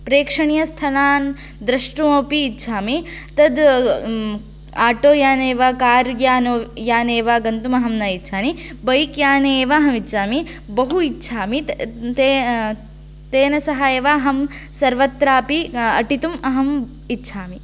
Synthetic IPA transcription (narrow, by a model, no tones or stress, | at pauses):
pɾeːkʂɐɳijɐst̪ʰɐlaːn | d̪ɾɐʂʈuoːpiːtːt͡ʃʰaːmit̪ɐd̪ | aːʈoːjaːneːʋaːkaːɾjaːnojaːneːʋaːɡɐnt̪umɐɦɐmnajitːt͡ʃʰaːni | bɐjkjaːneːʋaːɦɐmitːʃʰaːmibɐɦuitːʃʰaːmit̪e | t̪eːnɐsɐɦaːjeʋaːɦɐm | sɐɾʋɐt̪ːɾaːpiɐʈit̪umɐɦɐm | itːʃʰaːmi